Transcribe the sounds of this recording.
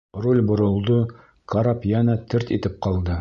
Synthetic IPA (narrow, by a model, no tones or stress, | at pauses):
rulʲbŏɾŏlˠd̪o | kʰaɾɑpjænɑt̪ʰɘɾt̪it̪ɘp̚qɑlˠd̪ɤ